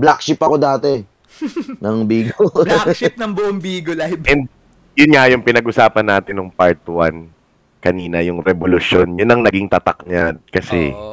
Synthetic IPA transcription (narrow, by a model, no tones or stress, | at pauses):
blak̚ʃɪpɐko̞d̪aːt̪ɛ | nɐŋbiːɡoʃp̚nɐŋbʊʔoŋbiːɡolabɛnd̪̚ | jʊnŋajʊŋpɪnɐɡʔʊsaːpɐnːaːt̪ɪnːʊŋpaɹt̪wan | kɐniːnɐjʊŋɾɛbolʊʃjonjʊnːɐŋnɐɡiŋt̪ɐt̪ɐ̰k̚ɲad̪̚kɐsɛ̰